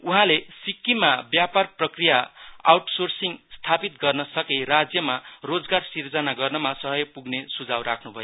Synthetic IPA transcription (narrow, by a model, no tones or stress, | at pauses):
uɦãlesikːimabjaparprʌkrijaa̰wʈsorsiŋst̪ʰapit̪ɡʌrnʌsʌkerad͡zjʌmarod͡zɡarsird͡zʌnaɡʌrnʌmasʌɦʌjpuɡnesud͡zawɾakʰnubʱʌjo